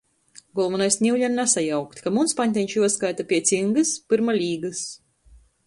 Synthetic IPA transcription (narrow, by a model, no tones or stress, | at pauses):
ɡɔlˠvanajsnʲiwʎʲannasajawkt̪ʲkamunspaɲʲt̪ʲɛɲʲt͡ʃjuɔskajt̪apʲiɛt̪sʲiŋɡɨspɨɾmalʲiːɡɨs